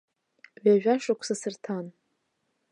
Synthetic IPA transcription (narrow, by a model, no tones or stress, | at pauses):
ɥaʒᶣaʂakʷʰsasɨrtʰan